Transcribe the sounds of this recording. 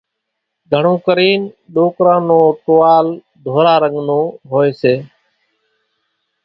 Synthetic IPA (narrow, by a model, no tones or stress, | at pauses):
ɡʱəɳõːkəɾiːnɗoːkɾãːnõːʈoːʋaːl | d̪ʱoːɾaːɾəŋɡnõːɦoːeːseː